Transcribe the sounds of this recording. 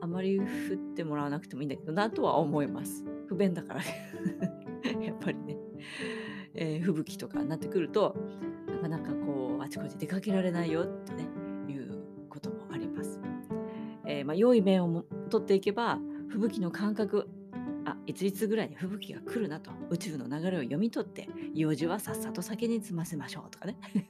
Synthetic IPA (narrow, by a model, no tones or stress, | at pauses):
amaɾʲiɸɯ̟t̪ːe̞mo̞ɾaβnakɯ̟t̪e̞moĩːnd̪ake̞d̪o̞nat̪o̞βa̰omo̞imasɨ̥ɸɯ̟bẽ̞nd̪aka̰ɾa̰ | japʰːaɾʲine̞ | eːɸɯ̟bɯ̟kʲi̥t̪o̞ka̰nːat̪ːe̞kɯ̟ɾɯ̟t̪o̞nakanakako̞ːat͡ɕi̥ko̞t̪e̞d̪e̞kake̞ɾaɾe̞naijo̞t̪ːe̞ne̞jɯ̟ː | ko̞t̪o̞mo̞ʔaɾʲimasɨ̥ | eːmajo̞imẽ̞ɰ̃o̞mt̪o̞t̪ːe̞ike̞baɸɯ̟bɯ̟kʲino̞kʰãŋkakɯ̟ | a̰it͡sɨit͡sɨɡɯ̟ɾaiɲ̟iɸɯ̟bɯ̟kʲiɡa̰kɯ̟ɾɯ̟nat̪o̞̥ɯ̟t͡ɕɨɯ̟no̞naɡaɾe̞o̞jo̞mʲit̪o̞t̪ːe̞̰joːʑiβasasat̪o̞sake̞ɲ̟it͡sɨmase̞maɕo̞ːt̪o̞̥kane̞